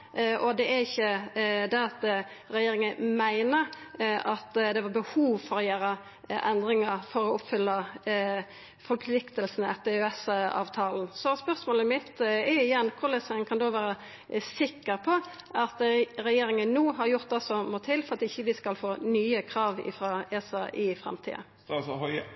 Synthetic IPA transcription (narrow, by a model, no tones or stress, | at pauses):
ʔɔd̪ɛʔæɾɪçːəd̪ɛɑt̪ | ɾɛjeːɾɪŋənmæɪnəɾʔɑt̪d̪ɛʋɑbəhuːʋfɔɾɔjøːɾə | ʔɛnd̪ɾɪŋəfɔɾɔʊpːfʏlːə | fɔɾpʰlɪkt̪əlsənɛt̪ːəøɛsɑ̰ːʋt̪ʰɑːln̩sɔspœʁsmoːləmɪt̪ɛɪjɛnːkʰʊʁlɛsɛənkʰɑnd̪oːʋæːɾə | sɪkːəɾpʰɔ | ɑt̪ɾɛjeːɾɪŋənːuːɦɑɾjʊʁt̪̚d̪ɑsɔmot̪ʰɪlfɔɾʁɑt̪ɪçːəʋɪskɑlfoːnyːəkʰɾɑːʋɪ̰fɾɑːesɑʔɪfʁɛ̰mt̪ʰḭːə̰ | sɦɑ